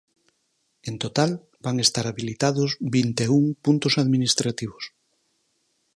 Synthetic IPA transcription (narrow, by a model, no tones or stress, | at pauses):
ent̪ot̪al | baŋest̪aɾaβilit̪aðozβint̪euŋpunt̪osaðminist̪ɾat̪iβ̞os